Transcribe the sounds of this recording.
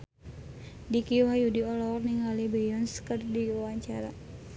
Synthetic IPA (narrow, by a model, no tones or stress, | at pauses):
dikiwajudiɔlɔrniŋalibɛjɔnskərdiwaɲt͡ʃaɾa̰